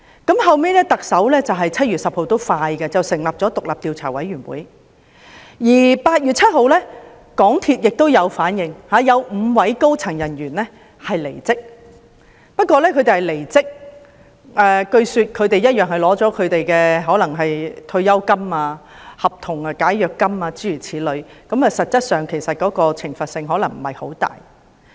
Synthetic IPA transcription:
kɐ˨˥mɦɐ˨wmeː˥lɛː˥t̪ɐ˨k̚sɐ˨˥wlɛː˥t͡sɐ˨wɦɐ˨jt͡sʰɐ˥t̚yː˨t̚sɐ˨p̚ho˧wt̪o˥wfaː˧jkɛ˧t͡sɐ˨wsɪ˨˩ŋlaː˨p̚t͡sɔː˨˥t̪ʊ˨k̚laː˨p̚t̪iː˨˧wt͡sʰaː˨˩wɐ̰˨˥jɥyː˨˩nwṵː˨˥j | jiː˨˩paː˧t̚jyː˨t̚t͡sʰɐ˥t̚ho˨˧wlɛː˥ | kɔː˨˥ŋt̪ʰiː˧t̚jɪ˨k̚t̪o˥wjɐ˨˧wfaː˨˥njɪ˨˧ŋhaː˨˧jɐ˨˧wm̩˨˧wɐ˨˥jko˥wt͡sʰɐ˨˩ŋjɐ˨˩njyː˨˩nlɛ˥ | hɐ˨jle˨˩jt͡sɪ˥k̚ | pɐ˥t̚kʷɔː˧lɛː˥kʰɵ˨˧t̪e˨jhɐ˨˩le˨˩jt͡sɪ˥k̚ | ʔɛː˨kɵ˧ɥsyː˧t̚kʰɵ˨˧ɥt̪e˨˧jɐ˥t̚jœː˨ŋhɐ˨jlɔː˨˥t͡sɔː˨˥kʰɵ˨˧ɥt̪e˨jkɛː˧ɦɔː˨˥lɐ˨˩ŋɦɐ˨jt̪ʰɵ˧ɥjɐ˥wkɐ˥maː˧ | hɐ˨p̚t̪ʰʊ˨˩ŋaː˧kaː˨˥jjœː˨kːɐ˥maː˧t͡siː˥jyː˨˩t͡sʰiː˨˥lɵ˨˧˥ɥkɐ˨˥mɐ˨sɐ˨t̚t͡sɐ˥t̚sœː˨˩ŋkʰe˨˩jsɐ˨t̚kɔː˨˥kɔː˧t͡sʰɪ˨˩ŋfɐ˨t̚sɪ˧ŋɦɔː˨˥lɐ˨˩ŋm̩˨˩hɐ˨˩jho̰˨˥wt̪a̰ː˨j

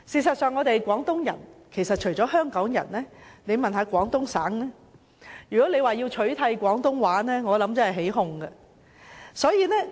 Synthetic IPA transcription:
siː˨˩sɐ˨t̚sœː˨ŋːɔː˨˧t̪e˨jkʷɔː˨˥ŋt̪ʊ˥ŋjɐ̰˨˩nkʰe˨˩jsɐ˨t̚t͡ʃʰɵ˨˩ɥt͡ʃɔː˨˥hœː˥ŋkɔː˨˥ŋjɐ̰˨˩nlɛː˥ne˨˧jmɐ˨nɦaː˨˥kʷɔː˨˥ŋt̪ʊ˥ŋsaː˨˥ŋnɛː˥ | jyː˨kɔː˨˥le˨˧jwaː˨jiː˧wt͡ʃʰɵ˨˥ɥt̪ʰɐ˧jkʷɔː˨˥ŋt̪ʊ˥ŋwaː˨˥nɛː˥ŋɔː˨˧lɐ˨˥mt͡sɐ˧˥hɦe˨˥jɦʊ˧ŋɡɐ˧ | sɔː˨˥jiː˧nɛː˥

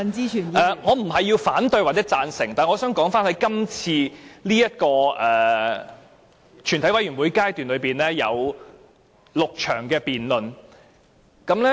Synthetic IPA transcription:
nt͡siː˥yː˨˩nɛː˨˧ŋɔː˨˧m̩˨˩ɦɐ˨jːiː˧wfaː˨˥nt̪ɵ˧ɥwaː˨t̚t͡sːɛː˨˥t͡saː˧nsɪ̰˨˩ŋt̪aː˨˩ŋɔː˨˧sœː˨˥ŋkɔː˨˥ŋfaː˥nhɐ˨˥jkɐ˥mt͡sʰiː˧liː˥jɐ˥t̚kɔː˧ʔɛː˨ | t͡ʃʰy˨˩nt̪ɐ˨˥wɐ˨˥jɥyː˨˩nwuː˨˥jkaː˥jt̪yː˨˩nlɵ˨˧ɥpiː˨˩nlɛː˥jɐ˨˧w | lʊ˨k̚t͡ʃʰœ̰ː˨˩ŋkɛː˧piː˨nlɵ˨n | kɐ˨˥mlɛ˥

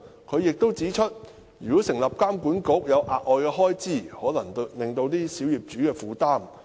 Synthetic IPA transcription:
kʰɵ˨˧ɥjɪ˨k̚t̪o˥wt͡siː˨˥t͡ʃʰɵ˥t̚ | jyː˨˩kɔː˨˥sɪ˨˩ŋlɐ˨p̚kaː˥mkuː˨˥nko˨˥k̚jɐ˨˧wʔaː˨t̚ʔɔː˨jkɛː˧ɦɔː˥jt͡siː˥˩hɔː˨˥lɐ˨˩ŋ˧lɪ˨ŋt̪o˧wt̪iː˥siː˨˥wjiː˨p̚t͡ʃyː˨˥kɛː˧fuː˨t̪aː˥m

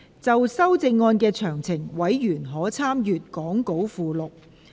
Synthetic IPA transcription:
t͡sɐ˨wsɐ˥wt͡sɪ˧ŋːɔː˧nkɛː˧t͡ʃʰœː˨˩ŋt͡sʰɪ˨˩ŋwɐ˨˥jjyː˨˩nɦɔː˨˥t͡sʰaː˥mjyː˨t̚kɔː˨˥ŋko˨˥wfuː˨lʊ˨k̚

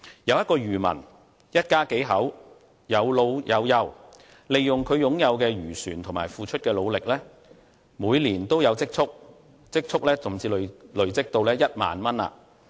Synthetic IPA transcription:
jɐ˨˧wjɐ˥t̚kɔː˧ɥyː˨˩mɐ̰˨˩n | jɐ˥t̚kaː˥ke˨˥jɦɐ˨˥w | jɐ˨˧wlo˧wjɐ˨˧wjɐ˨˧w | le˨jːʊ˨ŋkʰɵ˨˧ɥjʊ˨˥ŋjɐ˨˧wkɛː˧ɥyː˨˩syː˨˩nt̪ʰʊ˨˩maː˨˩jfuː˧t͡ʃʰɵ˥t̚kɛː˧lo˨˧wlɪ˨k̚lɛː˥ | muː˨˧jliː˨˩nt̪o˥wjɐ˨˧wt͡sɪ˥k̚t͡sʰʊ˥k̚ | t͡sɪ˥k̚t͡sʰʊ˥k̚lɛː˥t͡sʊ˨˩mt͡siː˧llɵ˨˩ɥt͡sɪ˥k̚t̪o˧wlɛː˥jɐ˥t̚ma̰ː˨nmɐ˥na̰ː˧

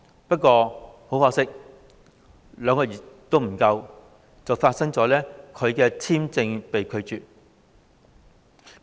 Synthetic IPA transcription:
pɐ˥t̚kʷɔː˧ho˨˥wfɔː˧sɪ˥k̚ | lœː˨˧ŋkɔː˧˩jɪ˨˩t̪o˥wm̩˨˩kɐ˧w | t͡sɐ˨wfaː˧t̚sɐ˥ŋt͡sɔː˨˥lɛː˥kʰɵ˨˧ɥkɛː˧t͡sʰiː˥mt͡sɪ˧ŋpe˨jkʰɵ˨˧ɥt͡ʃyː˨t̚

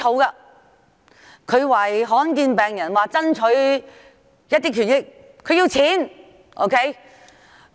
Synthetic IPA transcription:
o˨˧wkaː˧ | kʰɵ˨˧ɥwɐ˨˩jɦɔː˨˥nkiː˧npɛː˨ŋjɐ˨˩nwaː˨t͡sɐ˥nt͡ʃʰɵ˨˥ɥ | jɐ˥t̪iː˥kʰyː˨˩njɪ˥k̚ | kʰɵ˨˧ɥji˧wt͡sʰiː˨˥n | ʔo̰˥kʰe˦˥j

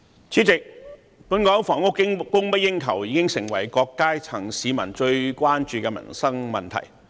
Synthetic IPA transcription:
t͡sʰiː˨˥t͡sɪ˨k̚ | puː˨˥nkɔː˨˥fɔː˨˩ŋʊ˥kːɪ˥ŋkʊ˥ŋpɐ˥t̚jɪ˥ŋkʰɐ˨˩wjiː˨˧kɪ˥ŋsɪ˨˩ŋwɐ˨˩jkɔː˧kːaː˥jt͡sʰɐ˨˩ŋsiː˨˧mɐ˨˩nt͡ʃɵ˧ɥkʷaː˥nt͡ʃyː˧kɛː˧mɐ̰˨˩nsɐ˥ŋmɐ˨nt̪ʰɐ̰˨˩j

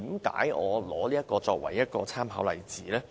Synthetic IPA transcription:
iː˨˥mka̰ː˨˥jʔɔː˨˧lɔː˨˧˥liː˥jɐ˥t̚kɔː˧t͡ʃɔː˧k̚wɐ̰˨˩jːɐ˥t̚kɔː˧t͡sʰaː˥mɦɐ̰˨˥wlɐ˨jt͡siː˨˦lɛː˥

